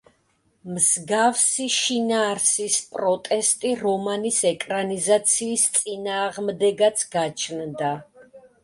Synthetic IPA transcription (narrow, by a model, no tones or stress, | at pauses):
mz̥ɡafsiʃinaːɾsispʼɾɔt̪ʼɛst̪ʼiɾɔmanisɛkʼɾanizat̪sʰiːst̪sʼinaːʁmd̪ɛɡat̪sʰɡat͡ʃʰnd̪a